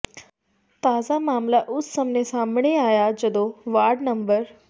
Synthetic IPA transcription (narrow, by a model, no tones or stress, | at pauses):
t̪aːd͡zamaːmlaʔʊt͡ssəmnesambɳeaːjad͡ʑəd̪oʋaːɾɖnəmbəɾ